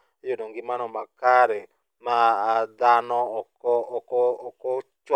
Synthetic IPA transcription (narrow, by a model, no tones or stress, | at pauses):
ejodoŋɡɪmanɔmakaɾɛ | maːd̪anɔɔkɔkɔkɔt͡ʃw